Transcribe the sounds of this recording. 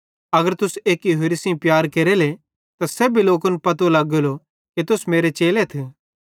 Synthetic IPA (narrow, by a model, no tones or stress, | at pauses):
ɐɡəɾt̪ʊseːkjoɦeɾisĩpjaːɾkeɾele | t̪asɛːbʱiloːkʊnpɐt̪olɐɡolo | ket̪ʊsmeːɾet͡ʃeːlet̪ʰe